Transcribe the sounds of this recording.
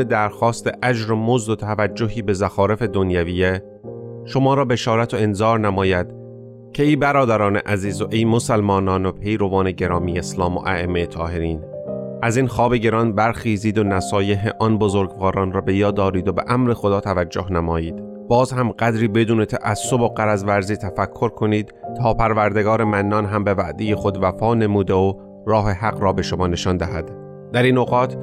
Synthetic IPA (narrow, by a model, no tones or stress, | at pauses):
ed̪æɾxɒːst̪e̞ʔæd͡ʒɾomozd̪ot̪ʰævæd͡ʒːoɦiːbe̞zæxɒːɾe̞fe̞d̪onjæviːe | ʃo̞mɒːɾɒːbe̞ʃɒːɾæt̪ʰoe̞nzɒːɾnæmɒːjæd̪̥ | cʰeiːbæɾɒːd̪æɾɒːneʔæziːzoʔejmosælmɒːnɒːnopʰe̞jɾo̞vɒːne̞ɟe̞ɾɒːmiːjeslɒːmo̰ʔæemːeet̪ʰɒːɦe̞ɾiːn | ʔæziːnxɒːbe̞ɟe̞ɾɒːnbæɾxiːziːd̪onæsɒːjeɦeʔɒnbozoɾɡvɒːɾɒːnrɒːbe̞jɒːd̪ɒːɾiːd̪obeʔæmɾe̞xo̞d̪ɒːt̪ʰævæd͡ʒːohnæmɒːjiːd̪̥ | bɒːzhæmɢæd̪ɾiːbe̞d̪uːnet̪ʰæʔæsːo̞bo̞ɢæɾæzvæɾziːt̪ʰæfækʰːo̞ɾkʰo̞niːd̪̥t̪ʰɒːpʰæɾvæɾd̪e̞ɡɒːɾe̞mænːɒːnɦæmbe̞væʔd̪eje̞xo̞d̪væfɒːne̞muːd̪eo | ɾɒːɦe̞hæɣɾɒːbe̞ʃomɒːne̞ʃɒnd̪æhæd̪ | d̪æɾiːnoɣɒːt̪ʰ